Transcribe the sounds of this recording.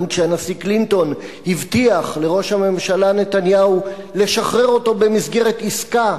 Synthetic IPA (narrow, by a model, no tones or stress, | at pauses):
nʃeanasiklinto̞nhivt̪iaχle̞ʁo̞ʃhame̞mʃalane̞t̪anjau | le̞ʃaχʁe̞ʁo̞to̞be̞misɡe̞ʁetiska